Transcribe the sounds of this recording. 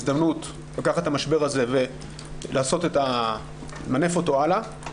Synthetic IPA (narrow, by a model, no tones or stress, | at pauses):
zd̪amnut | lakaχathamaʃbe̞ʁaze̞ve̞ | lʔaːso̞teta | mane̞fo̞to̞ala